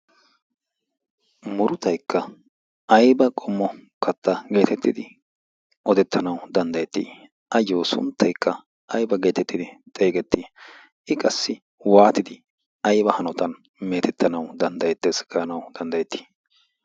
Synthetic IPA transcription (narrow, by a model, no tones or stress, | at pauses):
mʊɾʊt̪ɐjkːɐ | ɐjbɐkʼɔmːɔkɐt̪ːɐɡe̞ːt̪ɛt̪ːɪd̪ɪ | ʔɔd̪ɛt̪ʰːɐnɐwd̪ɐnd̪ɐjɛt̪ːḭː | ʔɐjːoːsʊ̰nt̪ːɐjkʰːɐ | ʔɐjbɐɡe̞ːt̪ɛt̪ːɪd̪ɪt̪ʼe̞ːɡɛt̪ːiː | ʔɪkʼɐsːɪ | waːt̪ɪd̪ɪ | ɐjbɐhɐnɔt̪ɐn | meːt̪ʰɛt̪ːɐnɐwd̪ɐnd̪ɐjɛt̪ːesɡɐnɐwd̪̥ɐnd̪ɐjɛt̪ːi̥ː